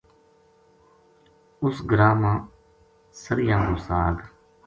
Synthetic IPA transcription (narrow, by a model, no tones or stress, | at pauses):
ʊsɡəɾaːmãː | səɾjãːɡ̪oːsaːɡ